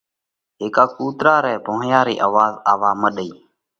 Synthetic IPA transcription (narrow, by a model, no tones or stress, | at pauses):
ɦeːkaːkuːt̪ɾaːɾɛːbʱoːjaːɾiːʔaːʋaːzaːʋaːməɗəiː